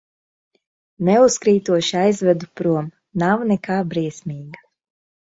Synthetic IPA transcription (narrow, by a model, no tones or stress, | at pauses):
nɛuskɾiːt̪uɔʃiajzvɛd̪upɾuɔm | nawnɛkaːbɾiɛsmʲiːɡa